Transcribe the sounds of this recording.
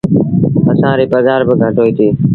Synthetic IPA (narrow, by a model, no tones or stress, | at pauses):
əsãːɾiːpəzaːɾbəɡʱəʈoːiːt̪ʰiː